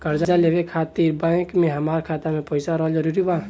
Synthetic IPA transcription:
kɐɾd͡ʒad͡ʒaleʋekʰaːt̪iːɾbãːɪkmẽɦɐmaːɾkʰaːt̪amẽpəɪsaɾɐɦod͡ʒɐɾuːɾibãː

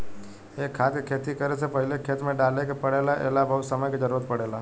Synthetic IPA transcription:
ekʰːat̪ekʰet̪ikəɾet͡ʃʰepəɦɪlekʰeːt̪mẽɖalekepəɽelaʔḛːlabəɦut̪səməjked͡ʒəɾuɾət̪pəɽela

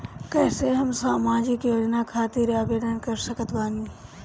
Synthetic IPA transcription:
kɛːseɦəmsaːmaːd͡ʒɪkjoːd͡ʒnakʰaːt̪iɾaːbeːɖənkəɾsəkət̪baːniː

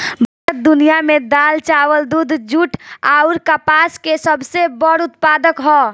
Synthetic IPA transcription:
bʱəɾət̪̚d̪ʊnijamẽd̪aːlt͡ʃawəld̪uːd̪ʱd͡ʒuʈʰaʊɾkapaskesəbsebəɾʊt̪paːd̪əkɦɔː

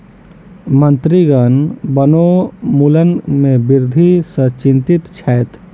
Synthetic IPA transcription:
mənt̪ɾiɡənbənomulənmẽbiɾd̪ʱisət͡ʃĩnt̪it̪t͡ʃʰɛːt̪

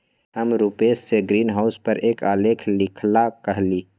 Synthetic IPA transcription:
ɦəmɾupeːsːeɡɾiːnɦaʊspəɾʔeːkaːlekʰlɪkʰlakəɦliː

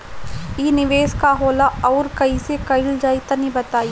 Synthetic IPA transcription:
iːnɪʋeːskaɦoːlaɔːɾkɐisekɐɪld͡ʒaːit̪ɐnĩbɐt̪aːi

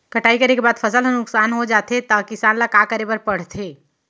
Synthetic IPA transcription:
kəʈaːikɐɾekebaːd̪fʰəsəlɦənʊksaːnɦod͡ʒaːt̪ʰet̪ɐkɪsaːnlakaːkəɾebɐɾpɐɽ̤t̪ʰeː

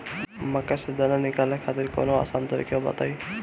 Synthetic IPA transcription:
mɐkːasɪd̪ananɪkaːlekʰaːt̪ɪɾko̰ːnoa̰ːsaːnt̪ɐɾḭkjobɐ̰t̪a̰ːi

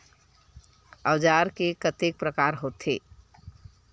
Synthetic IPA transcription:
əwd͡ʒaɾkekət̪ek̚pɾəkaɾɦot̪ʰe

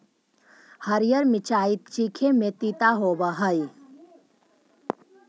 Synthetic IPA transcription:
həɾjəɾmɪt͡ʃaːit̪̚t͡ʃikʰemẽt̪it̪aɦoːbəɦəi

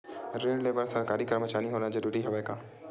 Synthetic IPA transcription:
ɾẽːɳɖleːbəɾsɐɾkaːɾikɐɾmət͡ʃaːniɦoːnad͡ʒɐɾuːɾiɦɐʋəkaː

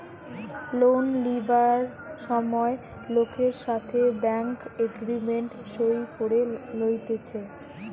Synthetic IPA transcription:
lonlibaɾ | ʃɔmɔe | lokʰeɾʃat̪ʰebɛŋkeɡɾimeɳʈʃojkoɾelojt̪et͡ɕʰe

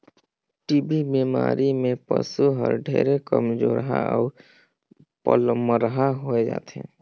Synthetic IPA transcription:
ʈibibemaːɾimẽpəsuɦəɾɖʱeɾekəmd͡ʒoɾəɦaɔːɾ | pələməɾəɦaɦoed͡ʒa̰ːt̪ḛ̃

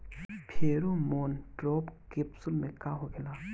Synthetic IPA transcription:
pʰeɾumonʈ͡ʂopkep̚sulmekaɦokila

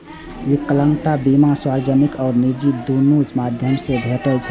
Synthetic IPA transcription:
jikələŋɡt̪abimaswaɾd͡ʒənikɔːɾnid͡ʒid̪unud͡ʒmad̪ʱjəmsebʱeʈəlt͡ʃʰə

